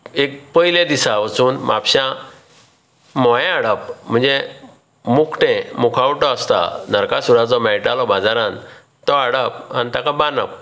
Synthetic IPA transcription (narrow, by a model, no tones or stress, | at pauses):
ek̚pəilẽd̪isaʋət͡suːnmapɕã | mɔjẽaɽəpm̤əɳd͡ze | mukʰʈẽmukʰawʈɔəst̪a̰nəɾkasuɾat͡sɔmɛjʈalɔbad͡zaɾãn | t̪ɔaɽəp̚a̰nit̪akabanəp̚